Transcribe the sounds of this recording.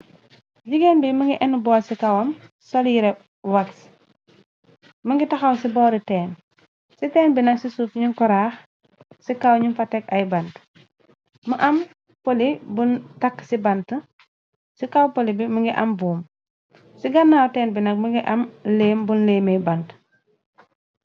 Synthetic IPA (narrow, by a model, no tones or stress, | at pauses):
ɟiɡenbiməŋɡiʔɛnubɔːsikɐwɐm | sɔljiɾɛ | waks | məŋɡitɐxɐwsibɔːɾitɛːn | sitɛːnbinɐksisufɲiŋkɔɾaːx | sikawɲinfatɛkɐjbɐnt | məʔɐm | polibuntɐkːsibɐntə | sikawpolibiməŋɡiʔɐmbuːm | siɡɐnːawtɛːnbinɐk̚məŋɡiʔɐmleːmbunleːmejbɐnt